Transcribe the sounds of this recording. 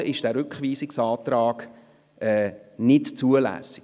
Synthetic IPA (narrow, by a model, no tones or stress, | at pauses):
əʔɪʃd̥æːɾʏkχʋiːsɪksɑːt̪ɾɑːɡ̥ | ʔɛːnɪtt͡suəlæ̰ːsɪ̥